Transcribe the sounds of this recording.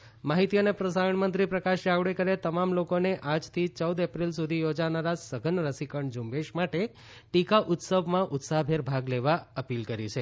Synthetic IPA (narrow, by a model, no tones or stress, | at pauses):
maɦit̪ijənepɾəsaɾəɳmənt̪ɾipɾəkaʃaʋɽekəɾet̪əmamlokoneʔad͡ʒt̪ʰit͡ʃəwd̪epɾilsud̪ʱijod͡ʒanaɾasəɡʱənɾəsikəɳd͡ʒumbeʃmaʈe | ʈikaʔʊt̪səbmãʔʊt̪saɦbʱeɾbʱaɡleʋaəpilkəɾit͡ʃʰe